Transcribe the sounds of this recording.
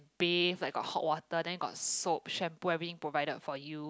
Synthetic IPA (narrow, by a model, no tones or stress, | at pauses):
beflaɪkɡɔ̰t̚hɔ̰t̚wɔtədɛ̃nɡɔ̰t̚sop̚ʃɛ̃mpuɛvɹit̪ĩŋpɹovaɪdətfɔju